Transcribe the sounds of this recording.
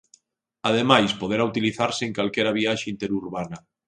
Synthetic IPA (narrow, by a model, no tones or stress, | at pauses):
aðemajspoðeɾaut̪iliθaɾseeŋkalkɛɾaβ̞iaʃeint̪eɾuɾβanɐ